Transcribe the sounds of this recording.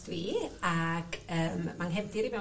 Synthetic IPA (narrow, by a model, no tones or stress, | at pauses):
twiːaɡəːmːanɦɛvdɪɾivɛ